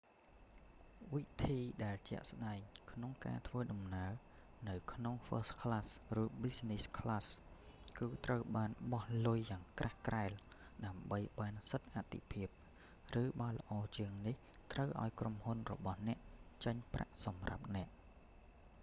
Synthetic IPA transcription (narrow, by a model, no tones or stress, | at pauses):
ʋit̪ʰiːɗaɛlt͡ɕɛ̆əʔsɗaɛŋkʰnoŋka̰ːt̪ʰʋəːɗɑmnaə | nɨwkʰnoŋfəːskʰlasrɨːɓisniskʰlaskɨːt̪rəwɓaːnɓɑhlʊjːaːŋkrʔahkraɛl | ɗaəmɓəjɓaːnsət̪̚ʔat̪ʰːḭpʰiəp̚ | rɨːɓaːlə̆ʔɑːt͡ɕiəŋnih | t̪rəwʔa̰ɔjkromhunrɔ̰ɓɑhnɛ̆əʔt͡ɕəɲpra̰ʔsɑmra̰p̚nɛ̆əʔ